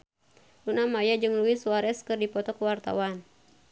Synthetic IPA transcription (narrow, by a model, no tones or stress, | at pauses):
lunamajad͡ʒɨŋluisuwaɾɛskɨrdipɔt̪ɔkuwart̪a̰wan